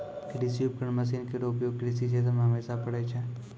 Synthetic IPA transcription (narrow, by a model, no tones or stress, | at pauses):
kɾisjup̚kəɳməs̬iːnkeɾoːpijokɾisiset̪əmɦɐmeːsapəɽet͡ʃʰɛ